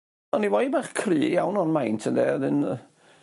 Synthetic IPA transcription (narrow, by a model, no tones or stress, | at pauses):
ɔniwabaχkʰriːjawnɔnmajntʰəndɛðɪn